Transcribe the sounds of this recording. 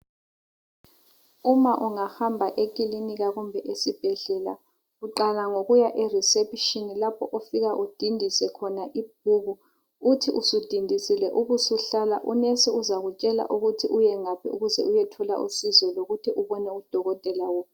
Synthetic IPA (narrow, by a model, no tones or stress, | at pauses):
umaʔuŋahambʱaʔekʼiliniɣaɣumbʱɛʔesib̥ʱɛɮɛla̰ | ɣuǃalaŋoɣujaʔerisepiʃinilapʰɔʔofiɣaʔud̥ʱindʱisɛkʰɔnaʔib̥̚ʱuːɣuː | tʰiʔusud̥ʱindʱisilɛʔuɣusuɬala̰ʔunesiuzaɣut͡ʃʼɛla̰ʔuɣutʰiʔujɛŋapʰɛ̰uɣuzɛ̰ʔujɛtʰɔla̰ʔusizɔloɣutʰiʔuβɔnɛud̥ʱɔɣɔtʼɛlawɔ